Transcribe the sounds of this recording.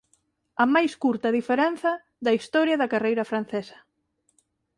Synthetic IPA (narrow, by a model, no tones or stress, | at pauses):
ɐmajskuɾt̪ɐðifeɾɛn̟θɐ | ðɐist̪ɔɾjɐðɐkarejɾɐfɾan̟θesɐ̥